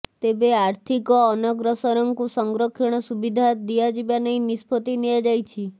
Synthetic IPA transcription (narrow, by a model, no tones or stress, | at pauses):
t̪ebeaɾt̪ʰikɔːnɔɡɾɔsɔɾɔŋkusɔŋɡɾɔkʰɔɽ̃ɔsubid̪ʱad̪iad͡ʒibanəĩnispʰɔt̪inijad͡ʒajt͡ʃʰi